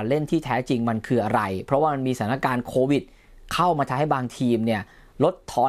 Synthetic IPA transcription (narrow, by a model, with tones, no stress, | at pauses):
nle˥˩nt̪ʰiː˥˩t̪ʰɛː˦˥t͡ɕi˧ŋma˧nkʰɯː˧ʔa˧ɾa˧jpʰɾɔ˦˥waː˥˩ma˧nmiː˧sa˨˩˦na˥˩kaː˧nkʰoː˧wi˨˩t̪̚ | kʰa˥˩wmaː˧t̪ʰa˧ɦa˥˩jbaː˧ŋt̪ʰiː˧mni˥˩ɐ | lo˦˥t̪ʰːɔː˧